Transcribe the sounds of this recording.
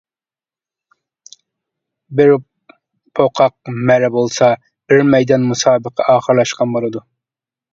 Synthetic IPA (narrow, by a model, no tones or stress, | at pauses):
bɪɾ | pʰoqʰɑq̚mɛɾɛbolˠsɑ | bɪɾmɛjd̪ɑnmusɑːbəqʰɑʔɑːχəɾlˠɑʃqɑnbolˠɨd̪u